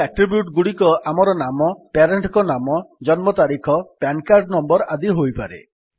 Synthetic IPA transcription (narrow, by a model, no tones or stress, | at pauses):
aʈɾibjuʈɡuɽikɔʔamɔɾɔnamɔpaɾeɳʈkɔnamɔd͡ʒɔnmɔt̪aɾikʰɔpankaɾɖnɔmbɔɾad̪iɦojpaɾḛ